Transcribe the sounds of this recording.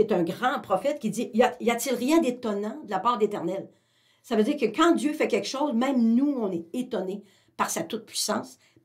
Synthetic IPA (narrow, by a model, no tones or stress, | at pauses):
et̪œ̃ɡʁɑ̃pʁɔfɛt̪̚kʲid͡zzijaijat͡sɪlʁjɛ̃d̪et̪ɔnãd̪əlapɑːʁd̪let̪ɛʁnɛl | savød͡ziːʁkəkɑ̃dd͡zjøfɛkʲɛkʃɔzmɛ̃ɪ̃mnuɔ̃nɛet̪ɔne | paʁsat̪ʊt̪̚pɥisɑ̰̃ːs